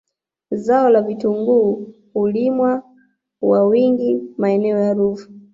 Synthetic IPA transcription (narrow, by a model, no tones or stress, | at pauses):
zaɔlavituŋɡuː | ulimwa | wawiŋɡimaɛnɛɔjaɾuːfu̥